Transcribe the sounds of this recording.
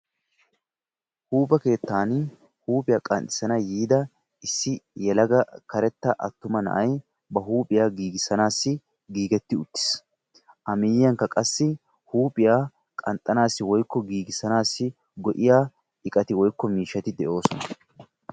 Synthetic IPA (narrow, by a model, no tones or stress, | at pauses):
huːpʼɐke̞ːt̪ːaːn | huːpʼɪjaːkʼɐnt̪ʼːɪ̥sɐnɐjiːd̪ɐ | ɪsːɪjɛlɐɡɐkɐɾɛt̪ːɐʔɐ̰t̪ːʊmɐnɐ̰ʔɐj | bɐɦuːpʼɪjaːɡiːɡɪsɐnaːsːɪ | ɡiːɡɛt̪ːɪʊt̪ːɪ̥s | ʔɐmɪjɪjɐŋkːɐkʼɐsːɪ | huːpʼɪjaː | kʼɐnt̪ʼːɐnaːsːɪwɔjkːɔɡiːɡɪsɐnaːsːɪ | ɡɔʔɪjaː | ɪkʼɐt̪ɪwɔjkːɔmiːʃːɐt̪ɪd̪ɛʔo̞ːsɔnɐ